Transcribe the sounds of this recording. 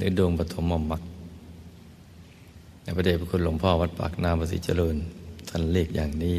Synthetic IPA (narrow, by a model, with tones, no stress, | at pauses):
lɯ˧˦doː˧ŋpa˧t̪ʰo˨˧˦mːɔ˧˩mːa˧˥k̚ | na˧˩pʰa˧d̪ʰeː˧˩p̚ʰa˧kʰu˧nlo˨˧˦ŋpʰɔː˧˩ʋa˦˥t̪̚pa̰ː˨˩k̚naː˧˨mbɔː˧s̬ḭ˧˦t͡ɕa̰˧lɤː˧nt̪ʰa˧˩˨nleː˧˩k̚jaː˨˩ŋniː˧˥˩